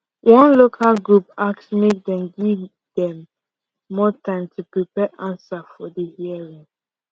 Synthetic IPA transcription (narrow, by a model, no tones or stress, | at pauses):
wʔɔ̃nlokʰalɡɹupaksmek̚dɛ̃mɡiv | dɛ̃mː | ɔtʰãɪ̃mtʰupɹipɛʔãnsafɔdəhiəɹĩŋ